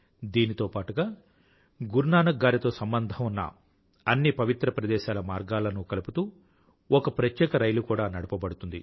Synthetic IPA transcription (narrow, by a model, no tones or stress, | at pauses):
d̪iːnit̪o̞ːpaːʈuɡaː | ɡuɾnaːnɐɡːaːɾit̪o̞ːsɐmbɐnd̪ʱɐmunːɐ̰ | ɐnːipɐʋit̪ɾɐpɾɐd̪ɛːʃaːlɐmaːɾɡaːlɐnukɐluput̪uː | ɔkɐpɾɐt̪jɛːkɐɾɐjlukuːɽaːnɐɽɐpɐbɐɽut̪und̪i